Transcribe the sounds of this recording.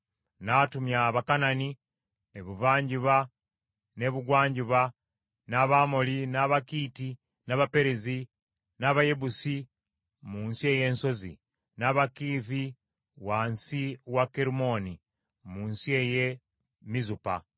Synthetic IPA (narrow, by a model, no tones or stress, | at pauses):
natumjaβakanani | eβuvaːɲɟiβa | ne̞βuɡwaːɲɟiβa | naβamolinaβakiːti | naβape̞ɾezi | naβaje̞βusi | muːnsie̞je̞ːnso̞zḭ | naβakiːfi | waːnsiwakeɾumo̞ni | muːnsie̞je | mizupa̰